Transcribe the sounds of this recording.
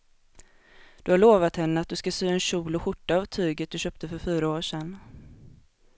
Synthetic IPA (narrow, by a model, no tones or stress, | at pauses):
d̪̥ɵhaɭoːvat̪hɛnːəat̪̚d̪ɵskasyːɛnɕuːlʊɧʊʈːaːvt̪ʰyːɡət̪̚d̪ɵɕøːp̚t̪əfœɾfyːɾaoːʂɛnː